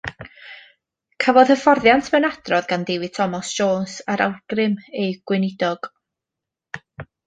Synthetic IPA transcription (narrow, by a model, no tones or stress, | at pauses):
kʰəvɔðhəfɔrðjantʰmɛnad̥rɔðɡandɪwɨtʰɔmɔsʒ̥oːnsaɾʔa̰wɡ̥rɪmejɡ̥wɪnɪdɔɡ̥